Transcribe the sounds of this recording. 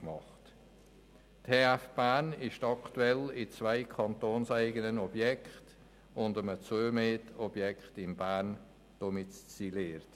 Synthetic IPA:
mɑχt | tʰeːæfb̥ænɪʃtɑktuɛlɪt͡svaɪkʰɑntoːnsæɪɡənənɔb̥jɛkχt | ʊndəmət͡suːmeːtɔb̥jɛkχtɪmbæːɾn | d̥omɪtst͡sileːɾt

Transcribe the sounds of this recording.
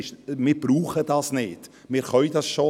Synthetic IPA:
ʃmɪːɾbɾuːχədɑːsnɪd | mɪːɾχœʏdɑsʃo

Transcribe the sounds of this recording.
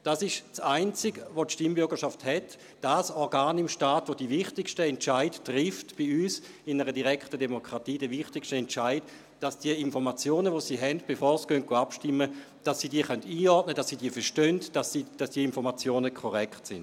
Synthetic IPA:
d̥asɪʃsaɪnt͡sɪɡʋotʃtimbʏɐɡəɐʃafthɛt | d̥asɔʁɡaːnɪmʃtaːtʋodivɪχtɪkʃtəɛntt͡ʃaɪdtʁɪftb̥iyːs | ɪnəʁədiʁɛkχtədemokʁ̥atiːdɛvɪχtɪkʃtəɛnt͡ʃaɪd | d̥asd̥iəinfɔʁmat͡sjoːnəʋosiːɦɛndb̥efɔːɐsɡ̥œnt̚ɡ̥oapʃtɪmːə | d̥asːiːdiːəχœntiːɔtnədasːiːdiːəfɛʃtœndd̥asiːd̥asd̥iːəinfɔʁmat͡sjoːnəkʰɔʁɛkχtsɪn

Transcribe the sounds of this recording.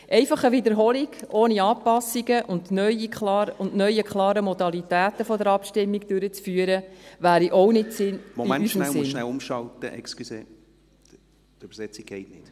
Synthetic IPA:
ʔɛɪfɑχəʋɪd̪əɾɦɔːliɡ̥oːniɑːpɑsːiɡəʔʊndnœjikɑʊndnœʏjəkχlɑːɾəmɔd̪ɑlit̪æːt̪əfɔd̪əɾɑpʃtɪmːiɡd̥øɾət͡sfyːəɾəʋæːɾiʔɔwnɪtsɪnmoimɛnyːʃəmnlsɪʃnælʊmʃɑlt̪ə̰ʔɛ̰kskyseː | t̪yb̥ɾsɛt͡siɡ̚ɡ̥ɛɪtnɪt

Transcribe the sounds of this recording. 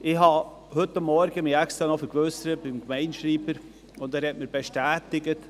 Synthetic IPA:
ɪhɑ | hɵtːamːɔɾɡəmɪɛkst̪ɾɑnɔfəɾɡvøsəɾəb̥ɪmɡmɛɪnʃɾiːbəɾ | ʊndæːɾhɛtmɪɾb̥ɛʃtæːtɪɡət

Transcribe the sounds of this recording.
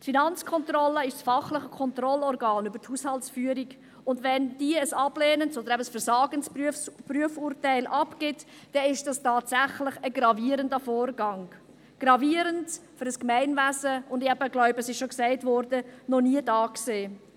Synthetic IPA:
tfinɑnt͡skʰɔnt̪rɔlːəɪʃsfɑχləχəkʰɔnt̪rɔlɔrɡɑːnybəthushɑltsfyːəɾiɡ | ʊndʋɛnd̥iəəsɑbleːnənsɔd̥̪əɾɛbəsfəɾsɑːɡənspyəfpryəfuːrtæɪlʔɑpɡɪt | d̥ɛɪʃd̥ɑstɑːtsæχləχəɡɾɑviːəɾəndəfɔːrɡɑŋ | ɡ̥rɑviəɾəntfyɾəskmæɪnvæsəʊndɪɛb̥əɡlœʊbəsɪʃʃɔksæɪtvɔɾdənɔniədɑːkseː

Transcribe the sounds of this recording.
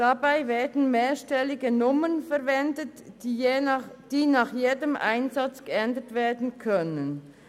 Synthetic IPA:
d̥abaɪvɛːɐdn̩meːʃtɛlɪɡənʊmənfɛɐvɛndətː | d̥iːnɑːχjeːdəmʔa̰ɪnzat͡sɡ̥əɛndətveːɐdn̩kʰœnən

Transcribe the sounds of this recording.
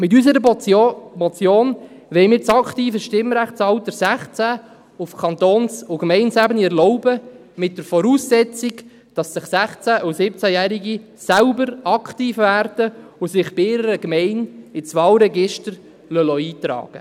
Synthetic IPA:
mɪt̬ysəɾə | mɔt͡sjoːn | ʋɛɪmɪːɾt͡sɑktiːfəʃtɪmɾæχtt͡sɑlt̪əɾsæχt͡sæ | ʊfkʰɑnt̪oːnsʊɡmɛɪnsæbəniɛɾlɔʊbə | mɪt̚d̥əɾfɔɾuːsːɛt͡siɡ | d̥ɑsɪχsæχt͡sæʔʊsɪp̚t͡sæjæɾiɡi | sælbəɾɑkʰtiːfʋæːrdəʊsɪχb̥ɪɪɾəɾəɡmɛɪnɪt͡sʋɑːlɾɛɡɪʃtəɾ | lœlɔiːt̪ɾɑ̰ːɡ̥ə̰

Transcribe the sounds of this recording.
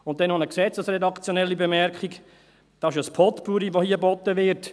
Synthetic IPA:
ʊnt̚ːɛnhɑnəksɛt͡səsrɛdɑkt͡sjonɛlːibemɛɾkχik | d̥ɑɪʃəspʰɔtpuɾiʋohiəbɔt̪ːəʋɪɾt

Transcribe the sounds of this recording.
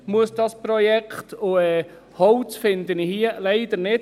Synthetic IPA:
muəsd̥̪ɑspɾɔjɛkχt̪ʊɛː | hɔʊt͡sfɪnd̪ənɪhiəlɛɪd̪əɾnɪ

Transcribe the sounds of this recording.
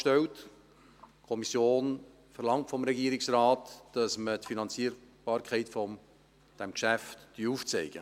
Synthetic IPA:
ʃtɛlt | kʰɔmisjoːn | fəɾlɑŋtfɔmɾɛɡiəɾɪksrɑːtd̥ɑsmətfinɑnt͡siːəɾb̥ɑːɾkʰɛɪtfɔ | d̥ɛmkʃæftd̥yuːft͡sɛɪɡ̥ə

